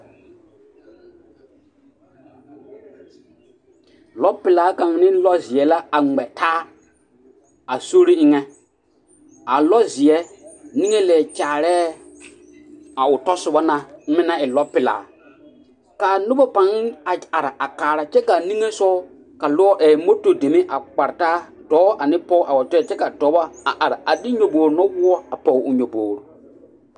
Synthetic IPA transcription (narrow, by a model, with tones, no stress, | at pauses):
lɔ˦pːɪ˨laː˨˦ka˨ŋ˨nɪ˦lɔ˦zɪ˨ɛ˨la˦a˨ŋ͡mɛ˨taː˦ | a˨so˦ɾi˦ɪ˦ŋɛ˦ | a˨lɔ˦zɪ˨ɛ˦ni˦ŋe˦lɛː˨t͡ʃaː˨ɾɛː˦ | a˨ʊ˨tɔ˦sʊ˨ba˦na˨˦mɪ̃˦na˦ɪ˨lɔ˦pɪ˨la̰ː˨ | kaː˨nʊ˦bɔ˦pa˨ŋ˦a˨a˨ɾa˨ʔa˨kaː˨ɾa˨˦t͡ʃɛ˦ka˨nĩ˦ŋe˦sɔ˦ | ka˨lʊ˦ɔ˦ʔɛː˨mo˦to˨de˨mi˦ʔa˨k͡pa˨ɾtaː˦ | dɔː˨˦ʔa˨nɪ˦pɔ˦ʔa˨wɔ˨tɔ˦ɛ˦˨t͡ʃɛ˦ka˨tɔː˨˦bɔ˦a˨ʔa˨ɾa˨a˨dɪ˦ɲo˨boː˨ɾʊ˨nɔ˦wʊ˦ɔ˦a˨pɔ˨˦ʊ˨ɲo˨boː˨ɾo˨